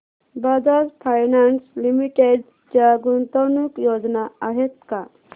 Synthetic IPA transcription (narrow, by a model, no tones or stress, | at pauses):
bad͡zaɾpʰajnanslimiʈeɖ | d͡ʒjaɡunt̪ɔnukjod͡ʒnaaɦet̪̚ka